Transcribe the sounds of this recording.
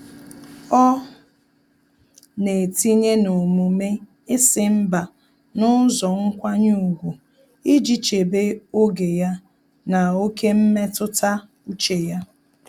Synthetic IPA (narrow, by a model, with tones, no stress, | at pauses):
ɔ˦ | ne˨ti˦ɲe˦no˨mu˨me˦ | ɪ˦sɪ˨m̩˦ba˨ | nʊ˦zɔ˨ŋ̩˦kʷa˦ɲu˦u˨ɡʷu˨ | i˦d͡ʒi˨t͡ʃe˨be˦o˦ɡe˨ja˦ | na˨o˦ke˦m̩˦me˦tʊ˦ta˦ | u˦t͡ʃe˨ja˦